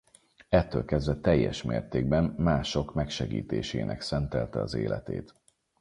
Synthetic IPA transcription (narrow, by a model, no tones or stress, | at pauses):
ɛt̪ːøːlkɛzd̪ʋɛt̪ɛjːɛʃmeːrt̪eːɡ̚bɛmːaːʃo̞kmɛkʃɛɡḭːt̪eːʃeːnʔɛ̰ksɛnt̪ɛlt̪ɛɒzeːlʔɛt̪ḛːt̪